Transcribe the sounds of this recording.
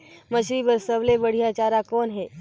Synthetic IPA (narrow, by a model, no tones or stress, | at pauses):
mɐʃɾibəɾsəblebəɽ̤ijat͡ʃaːɾakɔːnɦɛː